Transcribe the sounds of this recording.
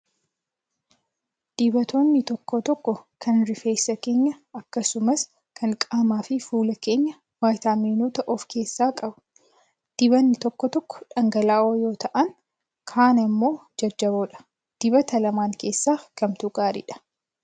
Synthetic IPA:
d̪̥ɪbɐt̪o̞ːnːɪt̪ɔkːɔt̪ɔkːɔkʰɐnɾɪfe̞ːsːɐke̞ːɲːɐɐkːɐsʊmɐs | kʰɐŋkʼaːmaːfɪfuːlɐke̞ːɲːɐ | waːjt̪aːmiːnoːt̪ɐʔɔfkʰe̞ːsːaːkʼɐbʊ̥ | d̪̥ɪβɐnːɪt̪ɔkːɔt̪ɔkːɔ̥ᶑɐŋɡɐlaːʔoːjo̞ːt̪ɐʔɐŋ | kʰaːnɐmːo̞ːd͡ʒɐd͡ʒːɐboᶑɐ̥ | d̪̥ɪbɐt̪ɐlɐmaːŋke̞ːsːaːkɐmt̪ʊɡaːɾɪ̰ᶑɐ̥

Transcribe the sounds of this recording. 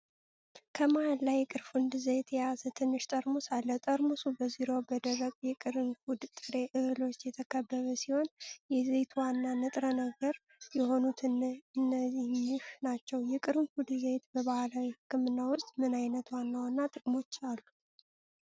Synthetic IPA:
kʰəmajallːajɛkʼɨɾfund̪ɨzet̪ʰɛjazət̪ʰɨnːɨʃt̪ʼəɾmusalːət̪ʼəɾmusubəziɾo̞bəd̪əɡəkʼjɛkʼɨɾɨnfud̪t̪ʼɨɾe̞ʔɨhɨlo̞t͡ʃːjɛt̪ʰəkʰəbːəβəsiho̞njɛzet̪ʰwanːanɨt̪ʼɾənəɡəɾ | jɛho̞nut̪ʰɨnːɨnːəzihmɨʃnat͡ʃːɛwjɛkʼɨɾɨnfud̪zet̪bəβahalawihɨkʰːɨmɨnːawʊst̪ʼmɨnajnət̪wanːawnːat̪ʼɨkʼmo̞t͡ʃːalːu

